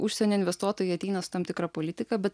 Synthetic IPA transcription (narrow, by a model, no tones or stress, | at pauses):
ʊʃʲsʲɛnʲoːɪnʲʋʲɛst̪uɔt̪oːjɛɐt̪ʲɛɪnɐsʊ̥t̪ɐmt̪ʲɪkɾɑpolʲɪt̪ʲɪkɐbʲɛt̪